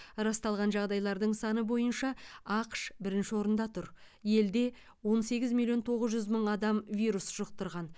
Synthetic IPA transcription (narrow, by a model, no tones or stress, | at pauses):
ɾɑst̪ɑlˠʁɑnʒɑʁd̪ɑjlˠɑɾd̪əɴsɑnəbo̞jənʃɑɑqʃbɪɾɪnʃɪwo̞ɾənd̪ɑt̪ʰʊɾ | je̞ld̪e̞ | wo̞nse̞ɡʲɪzmilˠːio̞nt̪ʰo̞ʁəzʒʏzməɴɑd̪ɑmvijɾusʒ̥əq̚t̪əɾʁɑn